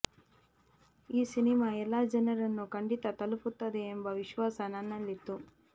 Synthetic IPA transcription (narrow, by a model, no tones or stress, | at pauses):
iːsinimaːɛlːaːd͡ʒɐnɐɾɐnːukɐɳɖit̪ɐt̪ɐluput̪ːɐd̪eːmbɐʋiʃʋaːsɐnanːɐlːit̪ːu